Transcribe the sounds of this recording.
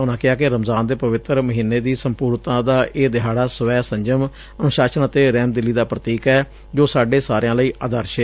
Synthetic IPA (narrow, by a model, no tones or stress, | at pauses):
ɦʊnãːkɪɦaːkɪɾəmzaːnd̪eːpəʋɪt̪ɾməɦiːnːeːd̪iːsəmpuːɾnt̪ãːd̪aːʔeːd̪ɪɦaːɽaːsəʋɛːsəɲd͡ʒəm | ənʊʃaːʃənət̪eːɾɛːmd̪ɪlːiːd̪aːpɾət̪iːkɛː | d͡ʒoːsaːɖeːsaːɾejãːləiːʔaːd̪əɾʃe